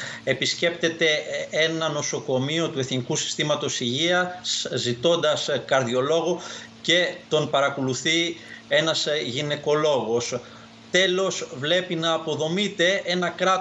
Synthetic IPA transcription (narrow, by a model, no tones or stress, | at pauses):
e̞pisce̞p̚t̪e̞t̪e̞e̞nɐno̞so̞ko̞mio̞t̪ue̞θnikusi̥st̪imɐt̪o̞siʝiɐszit̪o̞nd̪ɐskɐɾðio̞lo̞ɣoce̞t̪o̞npɐɾɐkoluθie̞nɐzʝine̞ko̞lo̞ɣo̞s | t̪e̞lo̞svle̞pinɐːpo̞ðo̞mit̪e̞e̞nɐkɾɐ